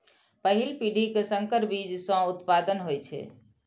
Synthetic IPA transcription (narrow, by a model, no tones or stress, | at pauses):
pəɦilpiɖʱikesəŋkəɾbid͡ʒsə̃ut̪pad̪ənɦojt͡ʃʰɛ̰